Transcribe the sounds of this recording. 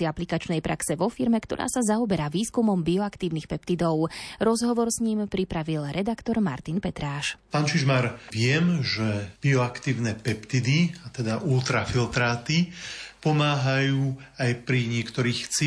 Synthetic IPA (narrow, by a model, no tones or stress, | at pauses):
iaplikat͡ʃnɛjpɾʔa̰ksɛʋɔfiɾmɛkt̪ɔ̰ɾa̰ːsazaɔbɛɾaʋiːskumɔmbiɔakt̪iːʊnixpɛp̚t̪id̪ɔʊɾɔzɦɔʋɔɾsɲiːmpɾipɾaʋilɾɛd̪akt̪ɔɾma̰ɾt̪inpɛt̪ɾaːʃpaːnt͡ʃiʒmaɾʋɪɛmʒɛb̥iɔakt̪iːʊnɛːpɛpt̪id̪iat̪ɛd̪aʔult̪ɾafilt̪ɾaːt̪ipɔmaːɦajuːajpɾiɲɪɛkt̪ɔɾiːxt͡s